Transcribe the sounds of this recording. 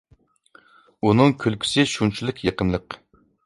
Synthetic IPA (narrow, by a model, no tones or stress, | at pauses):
unɨŋkʲʰølkʲʰy̥sɪʃunt͡ʃʰilˠɪkʲʰjeqəmlˠəq